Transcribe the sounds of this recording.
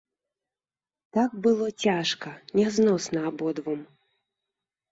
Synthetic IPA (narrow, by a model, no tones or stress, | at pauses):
t̪ak̚bɨlˠɔt͡sʲaʂkɐnʲɛznɔsnɐːbɔd̪vɔm